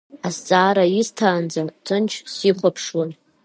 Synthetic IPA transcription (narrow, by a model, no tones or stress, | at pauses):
ast͡sʼaːɾaiztʰaːnd͡zatʰɨnt͡ʃʰsiχʷapʰʂwan